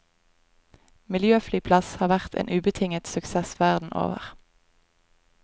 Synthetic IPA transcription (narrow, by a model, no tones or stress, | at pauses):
mɪljøːflyːpʰlɑshɑːʁʋæʁt̪ʰḛːnʉːbət̪ʰɪŋət̪sʉksɛsʋæʁd̪n̩ʔo̰ːʋə̰ʁ